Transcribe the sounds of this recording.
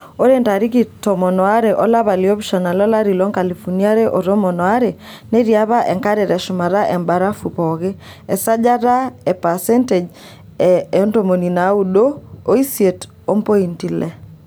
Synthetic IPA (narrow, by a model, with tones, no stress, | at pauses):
o˦ɾe˦nta˨ɾi˦ki˦˨tɔ˨mɔ˨nɔ˨a˦ɾe˨ʔɔ˦la˦βa˨li˨o˦βʃɔ˨na˨lɔ˦la˦ɾi˨lɔ˦ŋka˨li˨fu˨ni˦a˦ɾe˦ʔo˨ɾɔ˦mɔ˨nɔ˨a˦ɾe˨ne˦ɾia˦βa˦ʔɛ˨ŋka˦ɾe˨ɾɛ˨ʃʊ˨ma˨ɾa˦ʔɛ˨mba˨ɾa˦fu˨pɔ˨ɣe˦ | ɛ˨sa˦d͡ʒa˦ɾa˦ɛ˨pa˨sɛ˦nte˨d͡ʒ | ɛɔ˦nto˨mo˨ni˨na˨u˦ɗo˦o˦i˦sje˨t | o˦mpo˦i˨nti˨lɛ˨